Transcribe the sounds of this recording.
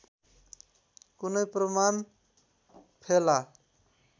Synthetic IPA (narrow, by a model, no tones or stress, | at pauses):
kunʌjprʌman | pʰela